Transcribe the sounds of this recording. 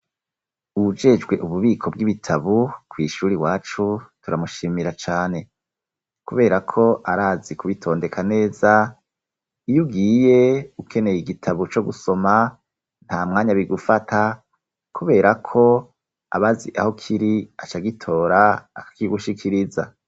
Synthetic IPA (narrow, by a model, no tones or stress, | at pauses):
uud͡ʒe̞d͡ʒɡwe̞ʔuβuβiːkʰo̞b̚ɡiβitʰaβukwiʃuːɾiwaːt͡ʃutuɾamuʃiːmiɾat͡ʃaːne̞ | kuβe̞ːɾakʰo̞ʔaɾaːzikʰuβitʰo̞ːnde̞kʰane̞ːza | ijuɡiːje̞ukʰe̞ne̞jiɡitʰaβut͡ʃo̞ɡuso̞ma | n̥haːmŋaːɲaβiɡufatʰa | kʰuβe̞ːɾakʰo̞ | a̰βaziʔa̰ho̞kʰiɾiat͡ʃaɡitʰo̞ːɾa̰ːkḁkiɡuʃikʰiɾiza